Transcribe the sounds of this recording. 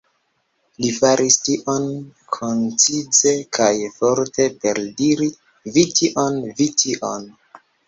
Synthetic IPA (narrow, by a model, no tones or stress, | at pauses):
lifaɾʔistiʔonkʰont͡sid͡ze̞kʰajfoɾte̞pe̞ɾdiɾi | vitiʔonvitʰiʔo̰n